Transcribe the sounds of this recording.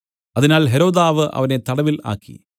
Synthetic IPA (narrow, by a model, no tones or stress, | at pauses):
ɐðinaːlɦeɾo̞ːðaːʋɨʔɐ̰ʋɐne̞t̪ɐɽɐʋila̰ːkːḭ